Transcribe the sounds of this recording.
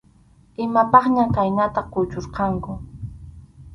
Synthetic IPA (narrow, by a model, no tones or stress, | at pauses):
ɪmapɑχɲakajnat̪ɑχqʊt͡ʃoɾqɑŋkʊ